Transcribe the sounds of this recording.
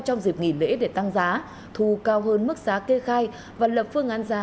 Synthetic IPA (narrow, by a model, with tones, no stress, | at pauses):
t͡ɕɔ˧wŋ͡mzi˨˩p̚ŋḭ˧˩lḛ˧˥ɗe˧˩t̪a˧ŋzaː˨˦ | t̪ʰu˨˩kaː˧wɦəː˧nmɨ˦˥k̚z̥aː˨˦ke˧xaː˧j | vaː˨˩lə˨˩p̚fɨ˧əŋʔaː˨˧˦nzaː˨˦